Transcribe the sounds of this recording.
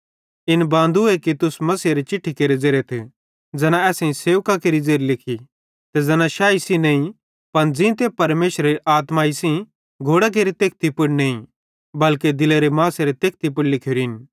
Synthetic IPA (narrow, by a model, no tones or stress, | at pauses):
ɪnbãːn̆d̪uekit̪ʊsmɐsiɾet͡ʃɪʈʰːikeːɾed͡zeːɾet̪ʰi | d͡zɛːnãɛːsẽĩseːʋkakeːɾid͡zeːɾilɪkʰi | t̪ɛd͡zɐnãʃaːisĩñːĩ | pɐnd͡zɪ̃t̪epɐɾmeːʃɾeɾiʔaːt̪maːisĩ | ɡʱoːɽak̬eːɾit̪eːk̚ʰt̪ipʊɽneːĩ | bɐlked̪ɪleɾemãːseɾet̪eːk̚t̪ip̬ʊɽlɪkʰjoɾiɦɪn